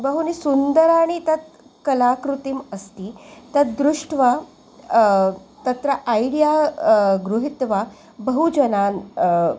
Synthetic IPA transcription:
bəɦunisund̪əɾaɽ̃it̪ɐt̪̚ | kɐlakɾut̪iməst̪iːt̪ɐt̪̚d̪ɾuʂʈʰʋa | t̪ɐt̪ɾɐʔajɽijaɡɾuɦit̪ʋa | bəɦud͡ʒɐnaːn

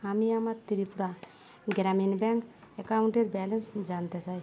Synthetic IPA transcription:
amiamat̪iɾipuɾa | ɡɾaminbɛŋkekawɳʈeɾbɛlensd͡ʒant̪esʰaj

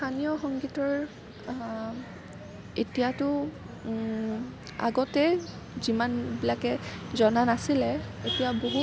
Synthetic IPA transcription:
tʰanijɔxɔŋɡitɔɹ | etijatʊ | a̰ɡɔtɛ | zimanbilakɛzɔnanasilɛetijaboɦu

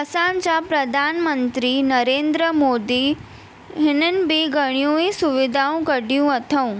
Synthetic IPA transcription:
əsãnt͡ʃapɾəd̪ʱanmənt̪ɾinəɾend̪ɾəmoːd̪i | ɦɪnənbiɡəɽ̃jũisuʋɪd̪ʱaũkəɽjũət̪ʰəũ

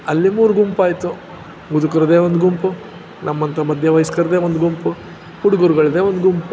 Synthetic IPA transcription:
ɐlːimuːɾuɡumpaːjt̪u | ɡud̪ukɐɾɐd̪e̞ːʋond̪ɡumpu | nʔɐmːɐnt̪ɐmɐd̪ʱjɐʋɐjiskɐɾd̪eːʋond̪ɡumpu | huɽuɡuɾɡɐɭd̪eːʋond̪ɡumpu

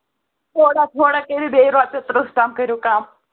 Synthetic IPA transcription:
t̪ʰoːɽat̪ʰoːɽakeɾibeɾaːt͡ʃɐt̪ɾəsʈaːmkəɾjokaːm

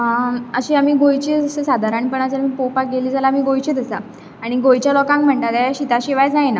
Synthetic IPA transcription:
əɕiːam̤iːɡojt͡ɕiːd͡zəsəsad̪ʱaɾəɳpəɳad͡zəɾmiːpopak̚ɡeliːd͡zʱalamiːɡojt͡ɕiːd̪əsa | aɽ̃iɡojt͡ɕjalɔkãŋkm̤əɳt̪at̪aɕit̪aɕiʋajt͡snaɦjna

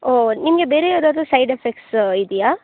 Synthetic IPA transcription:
oːnimɐɡebeːɾejaːd̪aːd̪usɐjɖefek̚ʈsid̪ijaː

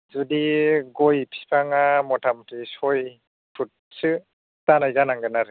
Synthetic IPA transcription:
zudiɡɔjpʰi̥pʰaŋamɔtʰamtisɔj | pʰut̚sɯ | tanajzanaŋɡɯnaɾɯ

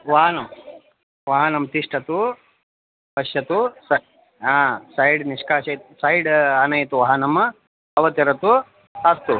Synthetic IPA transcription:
ʋaːɦɐnɐm | ʋɐɦɐnɐmt̪iʂʈɐt̪u | pɐʃjɐt̪usɐ | aːsɐjɖniʂkaːʃɐjt̪sɐjɽɐnɐjɐt̪uʋɐɦɐnɐm | ɐʋɐt̪iɾɐt̪u | ɐst̪u

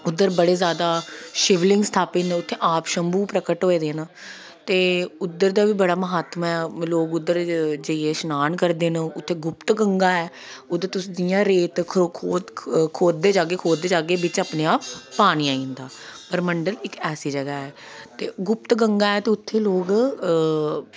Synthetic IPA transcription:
ʊd̪ːəɾbəɽeːzjaːd̪aːʃɪʋlɪ̃ŋɡst̪ʰaːpiːneʊt̪ʰːeːʔaːpʃəmbuːpɾəkəʈɦoːeːd̪eːna | t̪eːʊd̪ːəɾd̪aːbiːbəɽaːməɦaːt̪mɛːloːɡʊd̪ːəɾd͡ʒəieːʃnaːnkəɾd̪eːnãʊt̪ʰːeːɡʊpt̪ɡəŋɡaːɛː | oːd̪eːt̪ʊsd̪ijãːɾeːt̪ʰkʰoːkʰoːd̪d̪eːd͡ʒaːɡeːkʰoːd̪d̪eːd͡ʒaːɡeːbɪt͡ʃaːpneːaːppaːniːãːĩːnd̪aː | pəɾməɳɖəlɪkɛːsiːd͡ʒəɡaːɛː | t̪eːɡʊpt̪ɡəŋɡaːɛːt̪eːʊt̪ʰːeːloːɡ

